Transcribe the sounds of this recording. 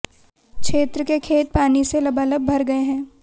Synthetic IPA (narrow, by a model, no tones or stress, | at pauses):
kʰʃeːt̪ɾəkekʰeːt̪̚paːniselɐbʱaːləb̚bʱɐɾɡɐeɦɛ̃ː